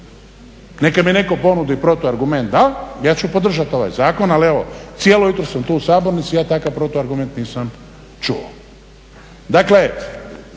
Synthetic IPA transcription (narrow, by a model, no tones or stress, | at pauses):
ne̞kamineko̞po̞nud̪ipɾo̞t̪uaɾɡume̞nt̪̚d̪ajaːt͡ɕupod̪r̩ʒat̪o̞ʋa̰jzaːko̞nalie̞ʋo̞̰t̪sijelojut̪ɾosamt̪uːusaːbo̞ɾnit̪sijaːt̪akaʋpɾo̞t̪uaɾɡume̞nt̪niːsam | t͡ʃuo̰ | d̪akle̞